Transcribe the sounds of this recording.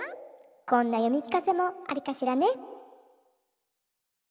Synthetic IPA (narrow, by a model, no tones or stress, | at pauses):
kõ̞nːajo̞mʲikʲi̥kase̞mo̞aɾʲikaɕiɾane